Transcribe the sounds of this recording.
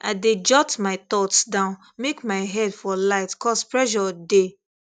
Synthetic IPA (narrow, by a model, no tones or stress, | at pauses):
aɪded͡ʒɔtmaɪt̪ɔtsdãʊ̃n | mekmaɪɦɛdfɔlaɪtkʰɔspɹɛʃɔde